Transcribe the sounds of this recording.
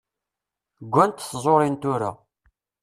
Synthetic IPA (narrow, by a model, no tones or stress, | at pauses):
ɡʷːænt̪θzˤoɾˤint̪ʊɾa̰